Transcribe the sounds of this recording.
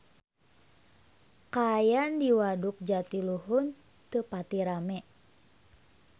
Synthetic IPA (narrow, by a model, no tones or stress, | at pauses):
kajandiwaduk̚d͡ʒat̪iluɦun | t̪əpat̪iɾamɛʔ